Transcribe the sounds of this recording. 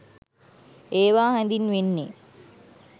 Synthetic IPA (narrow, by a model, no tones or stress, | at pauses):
eːʋaːhænd̪inʋenːe